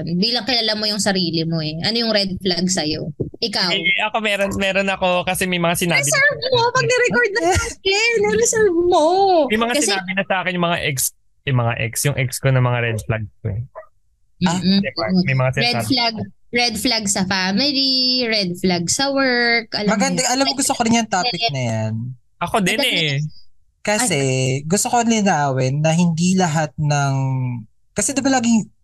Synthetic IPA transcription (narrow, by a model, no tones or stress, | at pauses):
nbiːlɐŋkɪlalamo̞jʊŋsɐɾiːlɪmo̞ɛʔɐnojʊŋɾɛd̪̚flaɡsɐjo̰ʔɪkawʔɐkomɛːɾonmɛːɾonɐko̞kɐsɛmɐjmɐŋasɪnaːbɪsɛɹvmopɐɡnɛɾɛkoɹd̪̚nɐakɛnɛɾɪsɛɹvmomɐjmɐŋakɐsɪsɛaːbɪnɐsɐʔaːkɪnjʊŋmɐŋaʔɛks | ɛmɐŋa̰ʔɛ̰ksjʊŋʔɛkskonɐmɐŋaɾɛd̪̚flaɡ̚skoɛ | ad̪ɛmɐjmɐŋasɪnɛalaɡ | ɹɛd̪flaɡsɐfamɪliɹɛd̪̚flaɡsɐwɛ˞kʔɐlmɐɡɐnd̪ɐʔɐlamːoɡʊst̪okoɾɪnjɐŋt̪aːpɪk̚nɐjan | ʔɐkod̪ɛnɛ | kɐsɛɡʊst̪okonlɪnaːwɛnːɐɦɪnd̪ilɐɦat̪̚nɐŋ | kɐsɛd̪ɪbɐlaːɡɪŋ